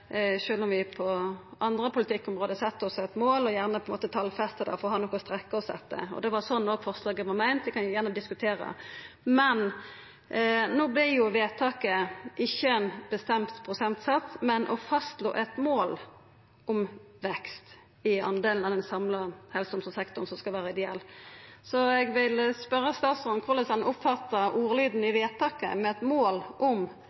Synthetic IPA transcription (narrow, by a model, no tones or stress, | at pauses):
ʃøːlɔmʋɪpʰɔɑnd̪ɾəpʰʊlɪt̪ʰɪkːɔmʁoːd̪əsɛt̪ːɔsɛt̪moːlɔjæʁnəpʰɔɛnmoːt̪ət̪ʰɑlfɛst̪əd̪æ̰fɔʁɔhɑnɔkːʊst̪ɾɛkːəɔsɛ̰t̪ːə̰ɔ̰d̪ɛʋɑsɔnːoːɡfɔʁslɑːɡəʋɑmæɪnt̪ʋɪkʰɑnjʊjæʁnəd̪ɪskʉt̪ʰeːɾə̰ | mɛn | noːblɪjʊʋeːt̪ʰɑːkəʔɪçːəɛnb̥əst̪ɛmt̪pʰɾʊsɛnt̪sɑt̪mɛnʔɔfɑst̪lo̰ːʔɛt̪moːl | ʊm | ʋɛkst̪ | ɪɑ̰nd̪eːln̩ɑd̪ɛnsɑmləhɛlsɔmsɔsɛkt̪ʊʁnsɔmskɑlʋæːɾəɪd̪ɛɛ̰lːsɔɛɡʋɪlspœɾːəst̪ɑːt̪sɔnkʰʊlɛsɑnʔʊpfɑt̪ːəʔuːɾəlyːd̪n̩ɪʋeːt̪ʰɑːkə̰mɛɛt̪moːlʔɔm